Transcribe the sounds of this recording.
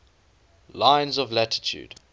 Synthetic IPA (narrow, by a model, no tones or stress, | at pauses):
lãɪ̃nzɔvlætʰɪ̥tʰṵːd̥